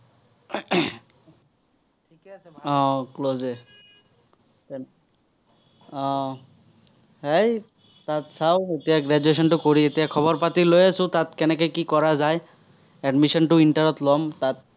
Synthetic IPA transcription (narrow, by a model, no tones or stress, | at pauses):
tʰikɛsɔ̃kloze | ɔ | hej | tatsaʊetijaɡɹɛd͡ʒues̬ɔntʊkoɹietijakʰɔβɔɹpatilojasʊ̃tatkɛnɛkɔjkikɔɹazaj | ɛɖmisɔntʊintaɹɔtlɔmtat̚